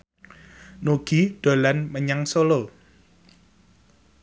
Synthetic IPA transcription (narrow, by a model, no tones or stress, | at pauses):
noɡ̥iɖ̥o̤lanməɲaŋsolo